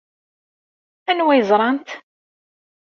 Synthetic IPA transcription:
ænwæjəzˤɾˤɑnt̪

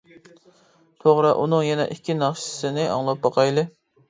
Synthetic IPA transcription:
t̪ʰoʁɾɨʔunɨŋjɛnɛ̰ʔikʲʰːinɑχʃɪ̥sɪnɪʔɑ̰ŋlˠɑp̚bɑqʰɑjlˠɨ

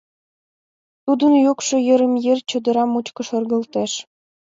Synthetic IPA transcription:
t̪ud̪ɤ̆njukʂɤ̆jɤ̆ɾɘ̆mjerʲt͡ɕɤ̆d̪ɤ̆ɾɑmut͡ɕkɤ̆ʃɤ̆rɡɤ̆lˠt̪eʃ

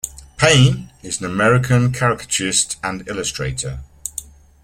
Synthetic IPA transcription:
pʰẽɪ̃nɪzə̃nəmɛɹɪkʰə̃nkʰaɹɪkə̥t͡ʃʰəɹɪstə̃nɪləstɹ̥eɪtʰə

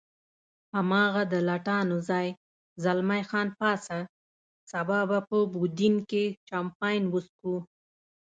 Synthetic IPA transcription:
hamɑɣad̪əlaʈɑnozɑj | zalmajxɑnpɑsa | sabɑbapəbud̪inket͡ʃampɑjnwəsku

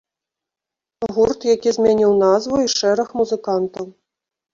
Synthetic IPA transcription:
ɣurt̪jakʲizʲmʲɛnʲiwnazvuiʂɛɾɐxmuzɨkant̪ɐw

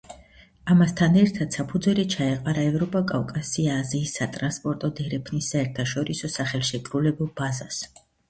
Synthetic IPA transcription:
amast̪ʰanɛɾt̪ʰad̪̥sapʰud̪zwɛlit͡ʃʰaɛqʼaɾaɛvɾɔpʼakʼavkʼasiaːziːsːat̪ʼɾanspʼɔɾt̪ʼɔd̪ɛɾɛpʰnisːaɛɾt̪ʰaʃɔɾisɔsaχɛlˠʃɛkʼɾulɛbulˠbazas

